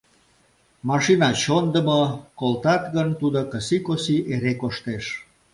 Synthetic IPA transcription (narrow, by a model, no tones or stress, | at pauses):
mɑʃinɑt͡ɕond̪ə̆mokolt̪ɑt̪ɣənt̪ud̪okəsikosiʔeɾekoʃt̪eʃ